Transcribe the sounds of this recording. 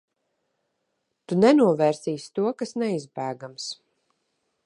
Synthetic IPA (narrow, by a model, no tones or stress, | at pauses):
t̪unɛnuɔvɛːɾsiːst̪uɔkasnɛizbæːɡams